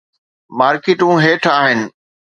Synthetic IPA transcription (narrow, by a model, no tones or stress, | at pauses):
maːɾkɪʈũːɦeːʈʰaːɦɪnɪ̆